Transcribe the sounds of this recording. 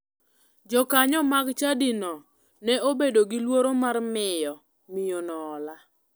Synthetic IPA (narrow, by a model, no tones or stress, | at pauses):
d͡ʒɔkaɲɔmaɡt͡ʃadinɔ | nɛobedoɡɪlwoɾomarmɪjɔ | mɪjonɔːla